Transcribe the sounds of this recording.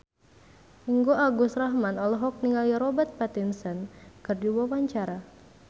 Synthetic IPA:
iŋɡoaɡusraɦmanɔlɔɦɔk̚niŋaliɾɔbət̪̚pat̪insənkɨrdiwawaɲt͡ʃaɾa

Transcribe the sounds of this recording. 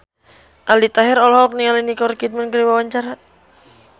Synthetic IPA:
ʔaldit̪aɦɛɾɔlɦɔːk̚niŋalinikɔrkit̪̚mankəɾiwawaɲt͡ʃaɾa

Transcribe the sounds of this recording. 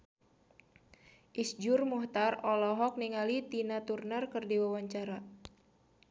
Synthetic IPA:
ʔisd͡ʒurmuht̪arɔlɔɦɔk̚niŋalit̪inat̪urnərkɨrdiwawaɲt͡ʃaɾa

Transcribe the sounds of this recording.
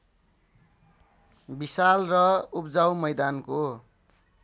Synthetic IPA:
bisalrʌupd͡zawmʌjd̪anko

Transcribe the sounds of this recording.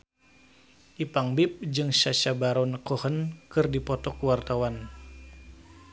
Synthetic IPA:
ʔipaŋbip̚d͡ʒɨŋʃaʃabaɾɔnkɔhənkɨrdipɔt̪ɔkuwart̪awan

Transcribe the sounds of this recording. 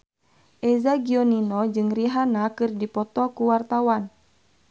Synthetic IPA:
ʔɛzaɡiɔninɔd͡ʒɨŋriɦanakɨrdipɔt̪ɔkuwart̪awan

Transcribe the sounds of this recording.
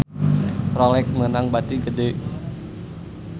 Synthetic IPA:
prɔlɛk̚mənaŋbat̪iɡəde

